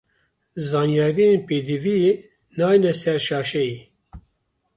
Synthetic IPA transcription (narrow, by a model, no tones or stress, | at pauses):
zɑːnjɑːɾijenpeːd̪ivie | nɑːjnɛsɛɾʃɑːʃɛji